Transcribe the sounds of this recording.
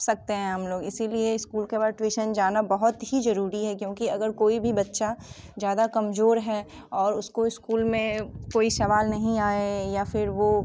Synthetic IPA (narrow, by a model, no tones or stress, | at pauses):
sɐk̚t̪eɦɛ̃ɐmloːɡɪsilieɪskuːlkebaːʈwiːʃənd͡ʒaːnabɐɦʊt̪ɦizɐɾuːɾiɦɛkjõːkiɐɡəɾkoːibʱibɐtːʃa | zjaːd̪akɐmzoːɾɦɛ | ɔːɾʊskoɪskuːlmẽkoːisɐʋaːlnɐɦĩaːejafɪɾʋoː